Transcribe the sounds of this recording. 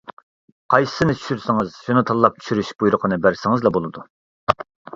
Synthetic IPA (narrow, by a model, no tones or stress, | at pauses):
qʰɑjsɨ̥sɨnɨt͡ʃʰy̥ʃyɾsɪŋɨz̥ʃunɨt̪ʰɑlˠlːˠɑp̚t͡ʃʰy̥ʃyɾyʃb̥ujɾʊqʰənɨbæɾsɪŋɨzlˠɑbolˠɨd̪u